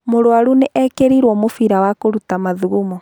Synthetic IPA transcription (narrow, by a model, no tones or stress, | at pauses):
moɾwaɾuneʔɛkeɾiɾwɔmofiɾawakoɾutamaðuɣumɔ